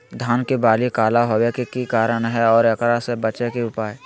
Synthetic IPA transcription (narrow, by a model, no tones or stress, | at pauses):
d̪ʱaːnkebaːlikaːlaɦoːwekekikaːɾənɦɛɔːɾɐkɾasebət͡ʃekeʊpaːe